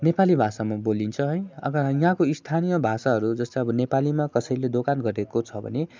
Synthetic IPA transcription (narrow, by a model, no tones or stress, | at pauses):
nepalibʱasamabolint͡sʰʌɦʌj̃ʌ̰ɡʌj̃ɦãkoist̪ʰanijʌbʱasaɦʌɾud͡zʌst̪aʌbʌnepalimakʌsʌjled̪okanɡʌɾekot͡sʰʌbʱʌ̰ne